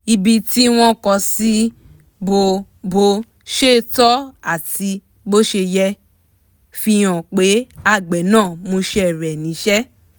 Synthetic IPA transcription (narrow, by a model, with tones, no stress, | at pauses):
i˧bi˧ti˦w̃ɔ̃˦kɔ˧si˦ | bo˧ | bo˧ | ʃe˦˨tɔ˦a˦˨ti˧ | bo˦ʃe˧jɛ˧ | fi˧j̃ã˨k͡pe˨˦a˦˨ɡ͡bɛ˨nãː˦˨mũ˧ʃe˦ɛ˦˨ɾɛ˨nĩ˨˦ʃɛ˦